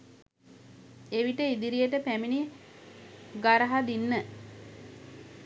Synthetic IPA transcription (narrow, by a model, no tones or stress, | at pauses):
eʋiʈəid̪iɾijəʈəpæmini | ɡaɾɐɦad̪inːə